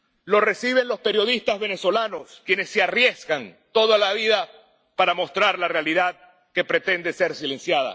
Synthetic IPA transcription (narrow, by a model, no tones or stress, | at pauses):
lo̞re̞siβe̞nlo̞spe̞ɾjo̞ðist̪azβe̞ne̞so̞lano̞skje̞ne̞sːearje̞zkant̪o̞ðalaβiða | paɾamo̞st̪ɾaɾlarealiðað | ke̞pɾe̞t̪e̞nd̪e̞se̞ɾsile̞nsjaða̰